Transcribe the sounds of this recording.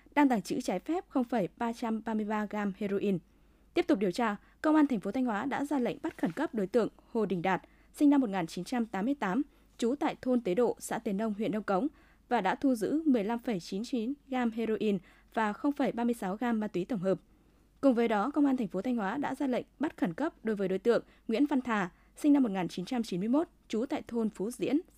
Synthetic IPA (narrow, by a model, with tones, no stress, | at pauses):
ɗaː˧ŋt̪a˧˩ŋt͡ɕɨ̰˧˥t͡ɕaː˨˦jfɛ˦˥p̚xə˧wŋ͡mfə˧˩jɓaː˧t͡ɕa˧mɓaː˧mɨ˧əjɓaː˧ɣaː˧mhe˧zo˧ʔi˧n | t̪i˦˥əp̚t̪ʊ˨˩k͡p̚ɗi˨˩ə˩wt͡ɕaː˧ | kə˧wŋ͡mʔaː˧nt̪ʰɛ˨˩ŋ̟fo˨˦t̪ʰa˧jŋ̟hwaː˨˦ɗa̰ː˧˥zaː˧lə̰˧˨ŋ̟ɓa˦˥t̚xə˧˩nkə˦˥p̚ɗo˨˦jt̪ɨ̰˧˨əŋho˨˩ɗï˨˩ŋ̟ɗaː˨˩t̚ | sï˧ŋ̟na˧mːo˨˩t̚ŋaː˨˩nt͡ɕi˨˦nt͡ɕa˧mt̪aː˨˦mːɨ˧əjt̪aː˨˦m | t͡ɕu˨˦t̪a̰ː˧˨jt̪ʰo˧nt̪e˨˦ɗo̰˧˨sa̰ː˧˥t̪i˨˩ənɗə˧wŋ͡mɦwḭ˧˨ənɗə˧wŋ͡mkə˨˦wŋ͡m | vaː˨˩ɗa̰ː˧˥t̪ʰu˧zɨ̰˧˥mɨ˨˩əjla˧mfə˧˩jt͡ɕi˨˦nt͡ɕi˨˦nɣaː˧mɦe˧zo˧ʔi˧n | vaː˨˩xə˧wŋ͡mfə˧˩jɓaː˧mɨ˧əjsa˨˦wɣaː˧mːaː˧t̪wi˨˦t̪ə˧˩ŋ͡mɦəː˨˩p̚ | kʊ˨˩ŋ͡mvəː˨˦jɗɔ˨˦kə˧wŋ͡maː˧nt̪ʰɛ˨˩ŋ̟fo˨˦t̪ʰa˧ŋ̟hwaː˨˦ɗa̰ː˧˥zaː˧lə̰˧˨jŋ̟ɓə˦˥t̚xə˧˩nkə˦˥p̚ɗo˨˦jvəː˨˦jɗo˨˦jt̪ɨ̰˧˨əŋ | ŋwḭ˧˥ənva˧nt̪ʰaː˨˩ | sï˧ŋna˧mːo˨˩t̚ŋaː˨˩nt͡ɕi˨˦nt͡ɕa˧mt͡ɕi˨˦nmɨ˧əjmo˦˥t̚t͡ɕu˨˦t̪a̰ː˧˨jt̪ʰo˧nfu˨˦zḭ˧˥ən